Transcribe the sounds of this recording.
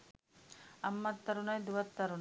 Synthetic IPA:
ɐmːɐt̪ːɐɾunɐjd̪uʋɐt̪ːɐɾun

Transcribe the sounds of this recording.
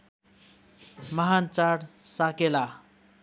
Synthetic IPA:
mʌɦant͡saɾsakela

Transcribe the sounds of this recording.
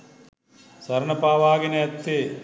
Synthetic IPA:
sɐɾɐnɐpaːʋaːɡineɐt̪ːe

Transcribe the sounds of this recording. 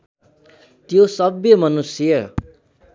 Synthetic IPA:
t̪josʌbjʌmʌnusijʌ

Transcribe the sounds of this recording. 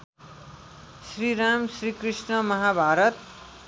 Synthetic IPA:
sriɾamsrikrisnʌmʌɦabʱaɾʌt̪̚

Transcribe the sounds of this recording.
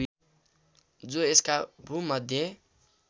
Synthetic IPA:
d͡zoeskabʱumʌd̪ʱje

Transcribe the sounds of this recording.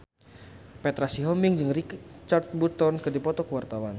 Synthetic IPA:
pɛt̪ɾasiɦɔmiŋd͡ʒɨŋrit͡ʃart̪̚but̪ɔnkɨrdipɔt̪ɔkəwart̪awan

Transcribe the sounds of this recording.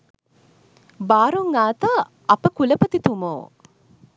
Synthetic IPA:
baːɾuŋːaːt̪a | ɐpəkuləpət̪it̪umoː

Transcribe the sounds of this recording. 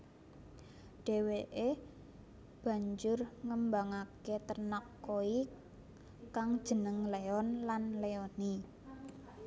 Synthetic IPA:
ɖ̥e̤weʔe | b̥ä̤ɲd͡ʒʊrŋəmbaŋaket̪ərnɔkːoi | kaŋd̥ʒ̥ə̤nəŋleɔnlanleɔni

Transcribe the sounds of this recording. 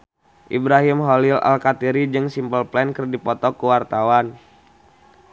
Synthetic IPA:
ʔibɾaɦimɦolilʔa̰lkat̪iɾid͡ʒɨŋsimpəlplɛnkərdipɔt̪ɔkuwart̪awan

